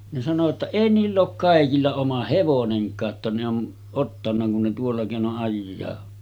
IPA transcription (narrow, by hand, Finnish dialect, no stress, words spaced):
ne sɑno tːɑ eˑi niːlː oːk kɑˑekilːɑ omɑ heʋoneŋkˑɑː tːɑ ne on otːɑnːɑ kun ne tuolːɑ keˑinoʔ ʔɑjːɑː